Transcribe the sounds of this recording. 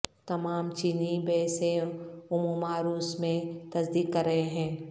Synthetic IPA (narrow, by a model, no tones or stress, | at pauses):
t̪ɐmaːmt͡ʃiːnibɛːsẽʊmumaːɾuːsmẽt̪ɐsd̪iːkːəɾːəɦeɦɛ̃ː